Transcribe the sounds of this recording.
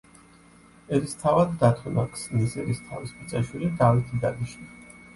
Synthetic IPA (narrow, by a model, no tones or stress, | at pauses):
ɛɾist̪ʰavad̪ːat̪ʰunakʰslisɛɾist̪ʰa̰vispʼut̪sʼɛʃwilid̪avit̪ʰid̪aniʃi